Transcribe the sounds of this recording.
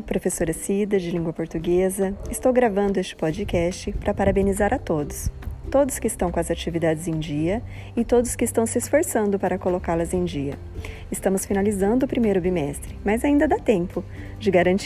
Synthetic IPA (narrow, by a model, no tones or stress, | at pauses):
pɾofesoɾɐsid̪ɐd͡ʒɪlĩŋɡwɐpoɾt̪uɡezɐɪst̪owɡɾavɐ̃nd̪ʊest͡ʃɪ̥pɔd͡ʒɪkɛst͡ʃɪpɾʔɐpaɾabẽnizaɾʔɐt̪od̪ʊst̪od̪ʊskɪːst̪ɐ̃w̃kõɐzat͡ʃivid̪ad͡ʒɪzẽj̃d͡ʒiɐ | ɪt̪od̪ʊskɪst̪ɐ̃w̃sɪsfoɾsɐ̃nd̪ʊpaɾɐkolokaɾlɐzẽj̃d͡ʒiɐ | ɪst̪ɐ̃mʊsfinalizɐ̃nd̪ʊːpɾimejɾʊbimɛst̪ɾɪmɐzaĩnd̪ɐd̪at̪ẽmpʊ | d͡ʒɪɡaɾɐ̃nt͡ʃ